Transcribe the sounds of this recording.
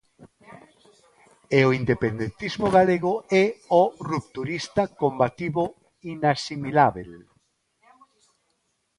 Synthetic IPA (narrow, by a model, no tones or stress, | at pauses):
eoind̪epend̪ent̪izmoɣaleɣʊɛorupt̪uɾist̪akombat̪iβo | inasimilaβel